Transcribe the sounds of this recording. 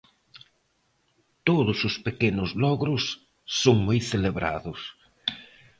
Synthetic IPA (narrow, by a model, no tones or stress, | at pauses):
t̪oðʊsʊspekenʊzlɔɣɾʊsː | oŋmojθeleβɾa̰ðʊs